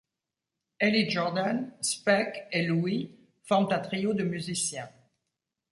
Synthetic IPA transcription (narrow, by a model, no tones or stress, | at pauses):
eliʒɔʁd̪anspɛkelui | fɔʁmt̪ɛ̃t̪χijod̪əmyzisjɛ̃